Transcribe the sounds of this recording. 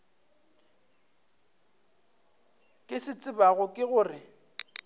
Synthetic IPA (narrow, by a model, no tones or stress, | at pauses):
kʼɪsɪt͡sʼɪbaɣʊkʼɪɣʊːrɪ